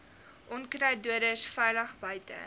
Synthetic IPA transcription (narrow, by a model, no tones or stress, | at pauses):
ʔɔnkrɛjduəɾəsfɛjləχbœɥtə̰